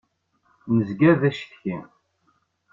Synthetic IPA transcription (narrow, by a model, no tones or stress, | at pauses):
nəzɡæðæʃə̥θçin